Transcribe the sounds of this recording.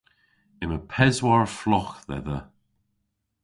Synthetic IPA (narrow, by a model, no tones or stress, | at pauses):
ɪməpʰɛzwaɹflɔxðɛ̰ðə